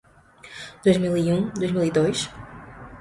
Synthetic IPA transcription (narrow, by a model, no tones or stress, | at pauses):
d̪̥ojzmilˠiũd̪ojʒmilˠid̪ojʃ